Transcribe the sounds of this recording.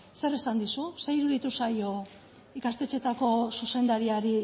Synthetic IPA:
se̞ɾesand̪isusejiɾuðit̪usajo̞ | ikast̪e̞t͡ʃe̞t̪ako̞suse̞nd̪aɾiaɾi

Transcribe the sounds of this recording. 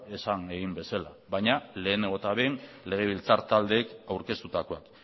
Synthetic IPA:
e̞saŋeɣimbe̞salaβajɲale̞ːneɣot̪aβen | le̞ɣ̞e̞βilt͡saɾt̪ald̪e̞ːkawɾke̞st̪ut̪ako̞ak

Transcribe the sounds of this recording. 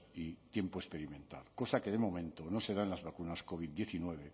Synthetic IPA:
it̪je̞mpoespe̞ɾimẽnt̪a̰lko̞sake̞ðe̞mõ̞mẽ̞nt̪ono̞se̞ðaenlazβakunasko̞β̞id̪d̪je̞θinwe̞β̞e̞

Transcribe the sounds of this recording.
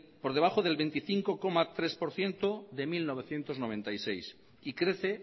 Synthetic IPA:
poɾð̞eβ̞aχoðe̞lβe̞nt̪iθiŋko̞ko̞mat̪ɾe̞spo̞ɾθje̞nt̪oðe̞milno̞β̞eθje̞nt̪o̞znoβẽ̞nt̪ajse̞js | ikɾeθe

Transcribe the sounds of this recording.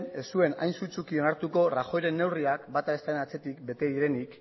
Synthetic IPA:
nessue̞na̰jnsut͡sukio̞naɾt̪uko̞raxo̞jɾe̞nːe̞wriakbat̪aest̪aenat͡se̞t̪ikbe̞t̪e̞ðiɾe̞nik

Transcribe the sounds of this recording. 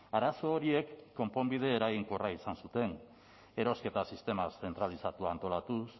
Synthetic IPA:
aɾaso̞ːɾie̞kːo̞mpo̞mbið̞e̞ːɾaɣiŋko̞raisansut̪e̞n | e̞ɾo̞ske̞t̪asist̪e̞masθe̞nt̪ɾalisat̪uaːnt̪o̞lat̪us

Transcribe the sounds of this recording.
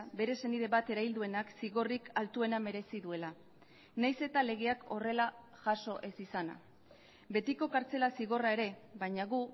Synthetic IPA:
be̞ɾe̞se̞niðe̞βat̪e̞ɾaild̪ue̞naksiɣo̞rikʰalt̪ue̞name̞ɾe̞siðue̞la | najse̞t̪ale̞ɣ̞eakʰo̞re̞la | ʝaso̞ʔe̞sisana̰ | be̞t̪iko̞kaɾt͡se̞lasiɣo̞rae̞ɾe̞βajɲaɣ̞u

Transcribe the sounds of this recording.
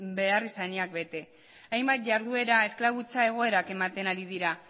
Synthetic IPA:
be̞arisaɲiak̚be̞t̪e̞ | ajmbat̪̚ʝaɾðue̞ɾae̞sklaβ̞ut͡sae̞ɣ̞o̞e̞ɾake̞mat̪e̞naɾið̞iɾa

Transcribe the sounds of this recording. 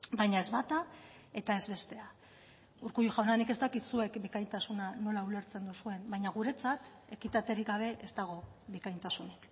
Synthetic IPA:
bajɲae̞zβat̪a | e̞t̪ae̞zβe̞st̪e̞a | uɾkujuʝawnanike̞st̪akit̪sue̞kbikajnt̪asunano̞laule̞ɾt͡se̞nd̪usue̞mbajɲaɣ̞uɾe̞t͡sat̪ | e̞kit̪at̪eɾiɡaβ̞e̞ʔe̞st̪aɣ̞o̞βikajnt̪asunik

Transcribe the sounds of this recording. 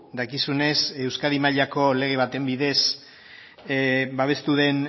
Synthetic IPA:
d̪akisune̞se̞wskaðimaʎako̞le̞ɣ̞e̞β̞at̪e̞mbiðe̞s | baβ̞e̞st̪uðe̞n

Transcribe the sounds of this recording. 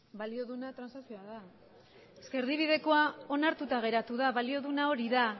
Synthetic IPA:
balio̞ðunat̪ɾansasio̞aða | eske̞ɾðiβ̞iðe̞ko̞ao̞naɾt̪ut̪aɣ̞e̞ɾat̪uðaβalio̞ðunao̞ɾiða

